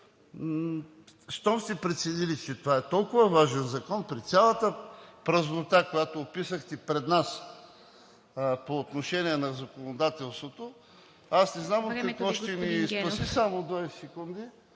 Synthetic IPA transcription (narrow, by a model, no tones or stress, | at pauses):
st̪ɔmsipɾɛt̪sɛd̪ilit͡ʃɛt̪ovaɛt̪ɔlˠkʊvɐvaʒɛnzɐkɔnpɾit̪sʲalˠət̪əpɾɐznot̪akojat̪oːpisəxt̪ɛpɾɛd̪nas | poːt̪noʃɛniɛnɐzɐkonod̪at̪ɛlˠst̪vot̪o | asnɛznamot̪kɐkvɔʃtt̪ɛmiːspɐsisamod̪vasɛkund̪i